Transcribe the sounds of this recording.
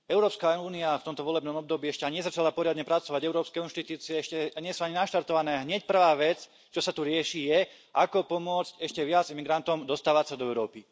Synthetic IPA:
ɛʊɾɔːpskauːniaft̪ɔmt̪ɔʋɔlɛbnɔmɔb̚d̪ɔbiːɛʃcɛaɲiɲɛzat͡ʃalapɔɾɪad̪ɲɛpɾat͡sɔʋaɟɛʊɾɔːpskɛinʃt̪it̪uːt͡siɛɛʃcɛɛɲɪɛsuaɲinaʃt̪aɾt̪ɔʋanɛːɦɲɛc̚pr̩ʋaːʋɛt͡s | t͡ʃɔsat̪uɾɪɛʃijɛ | ʔakɔpɔmʊɔt͡scɛʃcɛʋɪad͡zimiɡɾant̪ɔmd̪ɔst̪aːʋat͡sad̪ɔɛʊɾɔːpi

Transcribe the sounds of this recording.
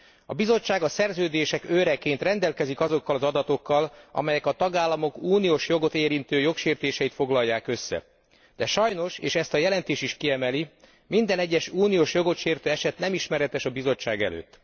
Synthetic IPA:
ɒbizo̞t͡ʃːaːɡɒsɛrzøːd̪eːʃɛkøːɾɛkːeːnt̪rɛnd̪ɛlkɛzikɒzo̞kːɒlɒzɒd̪ɒt̪o̞kːɒlɒ̰mɛjɛkɒt̪ɒɡaːlːɒmo̞kuːnijoːʃjo̞ɡo̞t̪eːɾint̪øːjo̞kʃeːrt̪eːʃɛjit̪fo̞ɡlɒjːaːkø̞sːɛ̰ | d̪̥ɛʃɒjno̞ʃḛːʃɛst̪ɒjɛlɛnt̪eːʃiʃkiɛmɛli | mind̪ɛnɛɟːɛʃuːnijoːʃjo̞ɡo̞t̪ʃeːrt̪øːɛʃɛt̪nɛmiʃmɛɾɛt̪ɛʃɒbizo̞t͡ʃːaːɡɛ̰lø̰ːt̪ː

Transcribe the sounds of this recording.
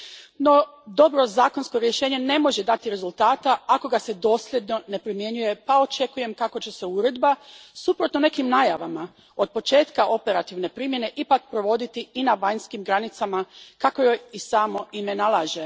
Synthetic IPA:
no̞d̪o̞bɾo̞zaːko̞nsko̞ɾje̞ʃe̞ːɲe̞ne̞mo̞ʒed̪at̪iɾe̞zulˠt̪aːt̪aako̞ɡase̞d̪o̞ːslʲje̞d̪no̞ne̞pɾimje̞ɲuje̞pao̞t͡ʃe̞kuje̞mkako̞t͡ɕe̞se̞uɾe̞d̪basupɾot̪no̞ne̞kimnaːjaʋama | o̞d̪̚po̞t͡ʃe̞ːt̪kaʔo̞pe̞ɾat̪iʋne̞pɾiːmje̞ne̞ʔipak̚pɾo̞ʋo̞d̪it̪iinaʋaɲskimɡɾanit̪samakako̞jojisaːmo̞ine̞nalˠaːʒe̞

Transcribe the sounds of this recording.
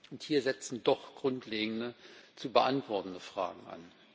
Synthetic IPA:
ʔʊnthiːɐzɛt͡sn̩dɔχɡ̥ʁʊntleːɡŋ̩dət͡suːbəʔantv̥ɔɐtn̩dəfʁ̥a̰ːɡŋ̩ʔa̰n

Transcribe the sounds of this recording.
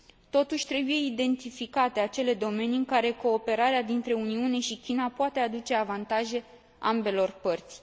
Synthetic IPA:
t̪o̞t̪uʃʲt̪ɾe̞buje̞id̪e̞nt̪ifikat̪e̞at͡ʃe̞le̞d̪o̞me̞niɨŋkaɾe̞ko̞ːpe̞ɾaɾead̪int̪ɾe̞uniune̞ʃikʲinapoat̪e̞ad̪ut͡ʃe̞avant̪aʒe̞ | ambe̞lo̞rpərt̪sʲ

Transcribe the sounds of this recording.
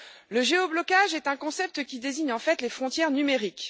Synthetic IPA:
ləʒeɔblɔkaʒɛt̪ɛ̃kɔ̃sɛp̚t̪əkʲid̪eziɲɑ̃fɛt̪lefχɔ̃t̪jɛʁnymeʁik

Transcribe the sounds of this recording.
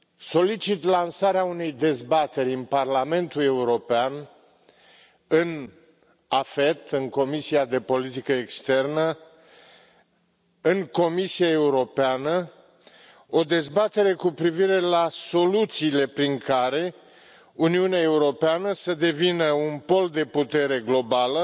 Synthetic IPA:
so̞lit͡ʃit̪lansaɾeaune̞jd̪e̞zbat̪e̞ɾʲɨnparlame̞nt̪ule̞uɾo̞pean | ɨn | afe̞t̪ɨŋko̞misiad̪e̞po̞lit̪ikəekst̪e̞rnə | ɨŋko̞misiae̞uɾo̞peanə | o̞d̪e̞zbat̪e̞ɾe̞kupɾiviɾe̞laso̞lut̪siːle̞pɾiŋkaɾe̞ | uniuneae̞uɾo̞peanəsəd̪e̞vinəunpo̞ld̪e̞put̪e̞ɾe̞ɡlo̞balə

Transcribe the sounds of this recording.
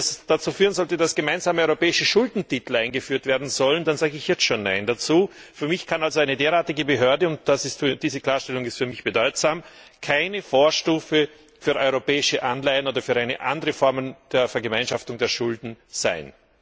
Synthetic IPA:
sd̥at͡suːfyːʁənzɔltədasɡ̥əmaɪnzaːməɔʏʁopɛːɪʃəʃʊldn̩titl̩ʔaɪnɡəfyːɐtv̥eːɐdn̩zɔlənd̥anzaːɡəɪçjɛt͡stʃoːnːa̰ɪndat͡suːfyːɐmɪçkʰanalzoaɪnədeːɐʁaːtɪɡəbəɦøɐdəʊnt̚d̥asɪstfyɐd̥iːzəkl̥aːɐʃtɛlʊŋɪstfyːɐmɪçb̥ədɔʏtz̥aːmkʰaɪnəfoːɐʃtuːfə | fyːɐʔɔʏʁopɛːɪʃəʔanlaɪənoːdɐfyːɐʔaɪnə̰ʔandəʁəfɔɐmənd̥eːɐfɛɐɡəmaɪnʃaftʊŋdeːɐʃʊldn̩z̥a̰ɪn

